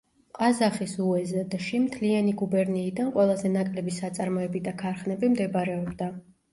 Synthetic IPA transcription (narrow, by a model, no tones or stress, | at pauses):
qʼazaχisuɛzad̪ʃimt̪ʰlianiɡubɛɾniːd̪anqʼwɛlˠazɛnakʼlɛbisat̪sʼaɾmɔɛbid̪akʰaɾχnɛbimd̪ɛbɾɛɔbd̪a